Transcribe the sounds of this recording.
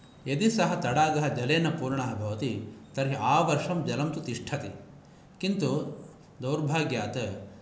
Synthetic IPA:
ed̪isɐɦɐt̪ɐɽaːɡɐɦɐd͡ʒɐleːnɐpuːɾɳɐɦɐbʱɐʋɐt̪it̪ɐɾɦiaːʋɐɾʂɐmd͡ʒɐlɐmt̪ut̪iʂʈʰɐt̪i | kint̪u | d̪ɐwɾbʱaːɡjaːt̪ɐ

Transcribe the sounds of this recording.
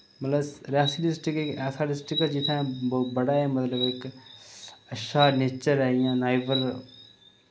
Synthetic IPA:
mɐt̪ləbsɾaːsiɖɪsʈɪkekɛːsaɖɪsʈɪkd͡ʒɪt̪ʰãbɔːbɐɽaːɛmɐt̪ləbek | ɐʃaːneːt͡ʃəɾɛijãːnaːɪʋəɾ

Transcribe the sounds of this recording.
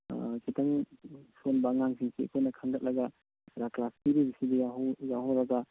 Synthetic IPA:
kʰitaŋsonbaŋaŋsiŋsiḛkʰojnɐkʰaŋɡɐt̚lʔɐɡa | ɾaklastiɾibisidijaɦjaɦɔwɾaɡa

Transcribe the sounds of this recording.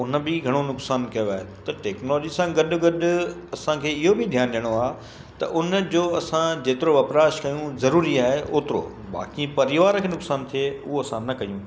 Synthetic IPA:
ʊn̆bɪɡʱɐɽ̃onʊksaːnkɐjoaːɦet̪ɐʈeːknɔloːd͡ʑisãɡɐɗʊ̆ɡɐɗʊ̆ɐsãkʰeːɪɦobɪd̪ʱjaːnɗijəɽ̃oaːɦ | t̪ɐʔʊnd͡ʑoːɐsãd͡ʑeːt̪ɪɾoʋɐpɾaːɪʃkɐjũzɐɾuːɾiaːɦeʔoːt̪ɪɾo̰ | ba̰ːkĩpɐɾɪʋaːɾkʰeːnʊksaːnt̪ʰieʊɦoɐsãnɐkɐjũ

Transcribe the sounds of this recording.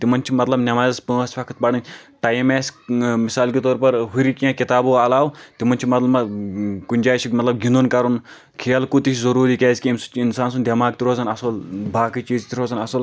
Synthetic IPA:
t̪imɐnt͡ʃʰimɐt̪lɐbnʲɐmaːzɐspə̃ːɐsʲfɐkʰt̪̚bɐɽɐnʲʈajimeːsmisaːlkit̪oːɾpɐɾɦuɾikiãːkit̪aːbuɐlaːwt̪imɐnʲt͡ʃʰimɐt̪lɐmɐkunʲd͡ʒaːt͡ʃʰimɐt̪lɐb̚ɡʲind̪unkɐɾun | kʰeːɐlkut̪iʃzɐɾuːɾikʲeːzʲkiimsut͡ʃʰinsaːnsund̪ʲɐmaːkt̪iɾoːzɐnɐsɐlbʱaːkit͡ʃiːzt̪iɾoːzɐnɐsɐl

